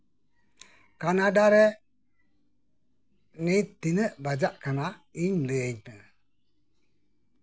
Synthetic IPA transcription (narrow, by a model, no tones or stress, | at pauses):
kanadaɾɛ | nitinəbad͡ʒaʔkanaiɲləeɲnə